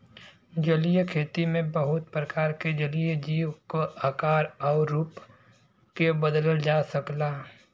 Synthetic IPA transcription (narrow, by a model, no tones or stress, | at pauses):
d͡ʒɐlijekʰeːt̪imẽbɐɦʊt̪̚pɾəkaːɾked͡ʒəlijed͡ʒiːwkoakaːɾɔːɾuːp | kebəd̪ələld͡ʒaːsɐklaː